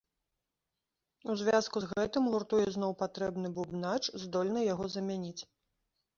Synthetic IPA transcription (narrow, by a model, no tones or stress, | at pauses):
uzʲvʲaskuzɣɛt̪ɨmɣurt̪ujɛznɔwpat̪ɾɛbnɨbubnat͡ʂzd̪ɔlʲnɐjaɣɔzɐmʲanʲit͡sʲ